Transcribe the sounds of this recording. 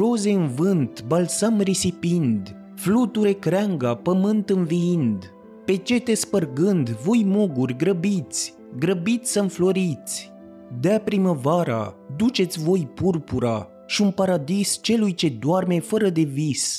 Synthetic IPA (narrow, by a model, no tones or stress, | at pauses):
ro̞ze̞ɨnvɨnt̪balsamrisipind̪ | flut̪uɾe̞kɾaŋɡapəmɨnt̪ɨnviind̪ | pe̞t͡ʃe̞t̪e̞spərɡɨnd̪vo̞jmuɡurʲɡɾəbit̪sʲ | ɡɾəbit̪sʲsəmflo̞ɾit̪sʲ | d̪eapɾiməvaɾa̰d̪ut͡ʃe̞t̪sʲvo̞jpurpuɾa | ʃiunpaɾad̪ist͡ʃe̞lujt͡ʃe̞d̪warme̞fəɾəd̪e̞vis